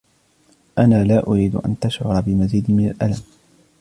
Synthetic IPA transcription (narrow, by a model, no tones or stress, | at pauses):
ʔanaːlaːʔʊɾiːd̪ʊ̰ʔa̰nt̪aʃʕʊ̰ɾˤɑbɪmaziːd̪ɪmɪna̰lʔalam